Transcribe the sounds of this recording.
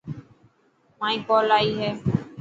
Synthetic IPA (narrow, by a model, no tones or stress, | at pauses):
mãːĩːpoːlaːiɦe